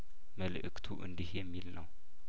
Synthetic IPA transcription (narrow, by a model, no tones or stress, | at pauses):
məlʔɨkt̪ʰuʔɨ̰nd̪ihjɛmːilnəw